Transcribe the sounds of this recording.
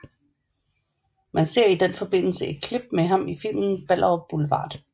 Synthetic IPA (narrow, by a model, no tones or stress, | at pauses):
mænse̝ɐ̰id̥enfɒ̽b̥e̝n̰l̩səʔe̝d̥̚kʰleb̥meɦɑ̈mifil̰mn̩b̥æl̰ʔɐb̥ulʋɑ̰̈ːd̥